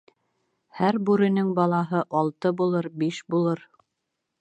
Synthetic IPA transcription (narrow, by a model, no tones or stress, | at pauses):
hæɾbʉɾɘ̆nɘŋbɑlˠɑɦɤʔɑlˠt̪ɤbulˠɤɾbiʃbulˠɤɾ